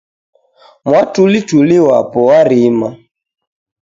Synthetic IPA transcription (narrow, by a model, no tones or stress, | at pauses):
mwatulituliwa̰pɔwaɾima